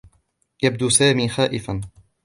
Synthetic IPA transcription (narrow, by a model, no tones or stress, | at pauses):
jab̚d̪usaːmiːxaːʔɪfan